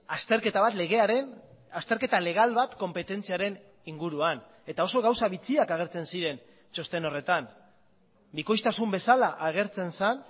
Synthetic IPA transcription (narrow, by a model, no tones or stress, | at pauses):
ast̪e̞ɾke̞t̪aβat̪le̞ɣe̞aɾe̞nast̪eɾke̞t̪ale̞ɣ̞alβat̪ko̞mpe̞t̪e̞nt͡siaɾe̞n | iŋɡuɾuan | e̞t̪ao̞so̞ɣawsaβit͡siakaɣ̞e̞ɾt͡se̞nsiɾe̞n | t͡ʃo̞st̪e̞no̞re̞t̪an | biko̞jst̪asumbe̞salaʔaɣ̞e̞ɾt͡se̞nsan